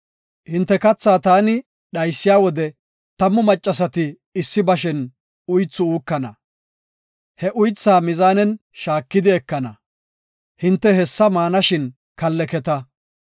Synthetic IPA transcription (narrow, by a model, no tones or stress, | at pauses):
hɪnt̪ːɛkɐt͡sːaːt̪aːnɪ | ɗɐjsːɪjaːwɔd̪ɛ | t̪ɐmːʊmɐt͡ʃʼːɐs̬ɐt̪ɪ | ɪsːɪbɐʃ̬ɪn | ʊjt͡sːʊuːkːɐnɐ | hɛʔʊjt͡sːaːmɪzaːnɛnʃaːkːɪd̪ɪɛkːɐnɐ | hɪnt̪ːɛhɛsːɐmaːnɐʃɪn | kɐlːɛkɛt̪ɐ